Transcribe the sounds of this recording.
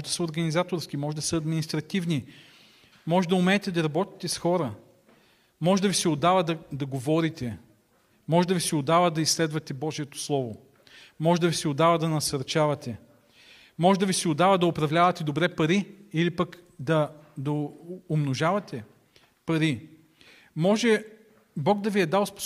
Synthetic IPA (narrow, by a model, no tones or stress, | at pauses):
ɔɛd̪ɐsəoɾɡɐnizat̪oɾsk̟ʲimɔʒɛd̪ɐsəɐd̪minist̪ɾɐt̪ivni | mɔʒɛd̪ɐʊmɛːt̪ɛd̪ɐɾɐbɔt̪i̥t̪ɛsxɔɾə | mɔʒɛd̪ɐvisɛʊd̪avɐd̪ɐd̪ɐɡovɔɾit̪ɛ | mɔʒɛd̪ɐvisɛʊd̪avəd̪ɐislɛd̪vɐt̪ɛbɔʒiɛt̪o̥slˠɔvo | mɔʒɛd̪ɐvisɛʊd̪avɐd̪ɐnɐsɐɾt͡ʃavɐt̪ɛ | mɔʒɛd̪ɐvisɛʊd̪avɐd̪ɐʊpɾɐvlʲavɐt̪ɛd̪obɾɛpɐɾiilipək | d̪ɐd̪ɐʊmnoʒavɐt̪ɛ | pɐɾi | mɔʒɛ | bɔɡd̪ɐviɛd̪alˠspo̥s